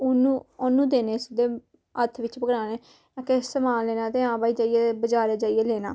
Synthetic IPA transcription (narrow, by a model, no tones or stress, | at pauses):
ʊnũːonũːd̪eːneːsd̪eː | ət̪ʰʋɪt͡ʃpəɡɾaːneː | ãːkeːɪseːmaːlːeːnaːt̪eːãːbaːiːd͡ʒaːijeːbəd͡ʒaːɾeːd͡ʒaːieːleːna̰ː